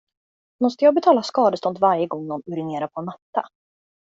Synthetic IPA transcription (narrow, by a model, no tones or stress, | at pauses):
mɔst̪əjɑːɡ̚bɛt̪ʰɑːlaskɑːd̪əst̪ɔnd̪vaɾjəɡɔŋːnɔnɵɾɪneːɾapʰɔnat̪ːa̰